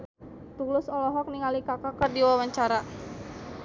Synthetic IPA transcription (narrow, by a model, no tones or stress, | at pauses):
t̪ulʊsɔlɔɦɔk̚niŋalikakakərdiwawaɲt͡ʃaɾa